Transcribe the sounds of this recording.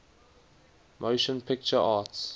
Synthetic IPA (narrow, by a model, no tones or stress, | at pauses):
mʔoʊʃə̃npʰɪk̚t͡ʃəʔaːts